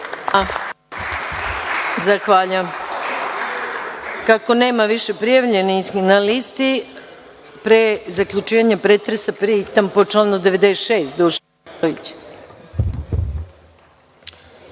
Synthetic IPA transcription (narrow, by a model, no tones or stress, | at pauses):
a | zaxʋaːʎam | kako̞ne̞ːmaʋiʃe̞pɾijaʋʎenixnalist̪i | pɾezakʎʲut͡ʃiːʋaɲapɾet̪ɾesapɾiit̪ampot͡ʃlanud̪e̞ʋe̞d̪eʃeːst̪d̪uʃ | it͡ɕ